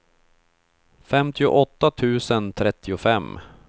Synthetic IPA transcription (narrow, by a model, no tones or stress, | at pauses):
fɛmt̪ʰɪʊ̰ʔɔt̪ːat̪ʰʉ̟ːsənt̪ʰɾɛt̪ʰːɪʊfɛmː